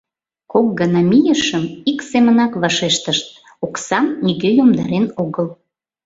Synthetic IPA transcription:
kok̚ɡɑnɑmijəʃəmiksemənɑkβɑʃeʃt̪əʃt̪̚ | oksɑmniɣejomd̪ɑɾenoɣəl

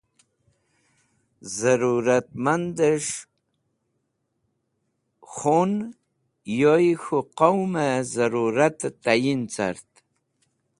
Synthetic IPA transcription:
zaɾuɾat̪̚mand̪əʂ | xun | jojxuqowmezaɾuɾat̪t̪ajint͡sa̰ɾt̪

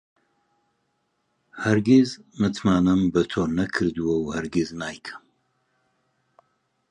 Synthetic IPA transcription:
hɐɾɡezmɨt̪ʰmaːnɨmbɐt̪ʰoːnɐkʰɨɾd̪uwɐwhɐɾɡɪznaːjkʰə̥m

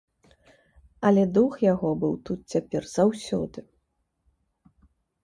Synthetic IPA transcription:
ɐlʲɛd̪uxjaɣɔbɨwt̪ut̪̚t͡sʲapʲɛrz̥awsʲɔ̰d̪ɨ

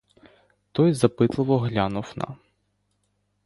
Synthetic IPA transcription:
t̪ɔjzɐpɪt̪lˠɪʋɔɦlʲanʊwnɐ̰

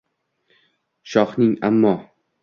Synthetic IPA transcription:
ʃɒχnɪŋa̰mːɒ

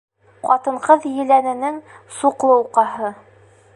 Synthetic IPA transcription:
qɒt̪ɤ̆ɴqɤðjɘ̆lænɘ̆nɘŋsuqlˠɤuqɑɦɤ

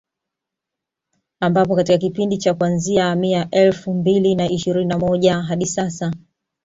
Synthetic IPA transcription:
ambap̬ɔkatikakipindit͡ʃakuanziaːmiaʔɛlfumbilinaiʃiɾininamɔʄaɦaɗisasa

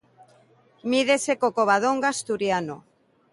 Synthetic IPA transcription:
miðesekokoβ̞aðoŋɡast̪uɾjano

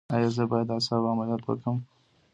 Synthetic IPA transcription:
ɑjɑzəbɑjad̪ɑsɑwɑmaljat̪wə̰kəm

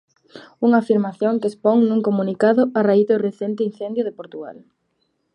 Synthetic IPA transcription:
uŋaːfiɾmaθjoŋkespoŋnuŋkomũnikaðʊaraiðʊreθɛnt̪ɪin̟θend̪jʊðɪpoɾt̪uɣa̰l

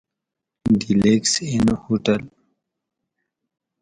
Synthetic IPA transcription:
ɖileksinhoʈəl

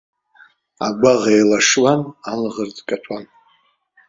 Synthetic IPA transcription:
a̰ɡʷaʁajlaʂwananʁərd͡zkʼat͡ʃʷʰʼan

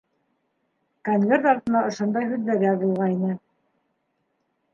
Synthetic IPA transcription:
koŋvʲert̪ɑɾt̪ɤ̆nɑʔŏʃond̪ɑjɦʉðlæɡæβulˠʁɑinɘ

